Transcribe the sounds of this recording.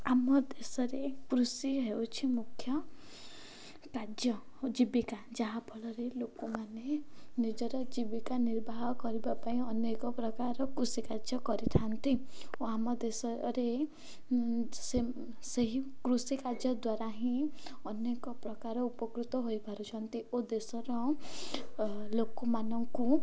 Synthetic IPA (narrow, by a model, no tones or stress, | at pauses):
amɔd̪esɔɾekɾusiɦewt͡ʃʰimukʰːjɔ | kad͡ʒjɔd͡ʒibikad͡ʒaɦabʱɔlɔɾelokumanenid͡ʒɔɾɔd͡ʒibikaniɾbʱaɦɔkɔɾibapaĩɔnekɔpɾɔkaɾɔkɾusikad͡ʒjɔkɔɾiʈ̪ʰant̪ioamɔd̪esɔɾe | se | seɦikɾusikad͡ʒjɔd̪waɾaɦĩɔnekɔpɾɔkaɾɔupɔkɾut̪ɔɦojpaɾut͡ʃʰɔnt̪iod̪esɔɾɔ | lokɔmanɔŋku